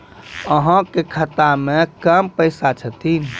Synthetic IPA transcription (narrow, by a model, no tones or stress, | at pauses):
əɦə̃kekʰət̪amẽkəmpəɪsat͡ʃʰət̪in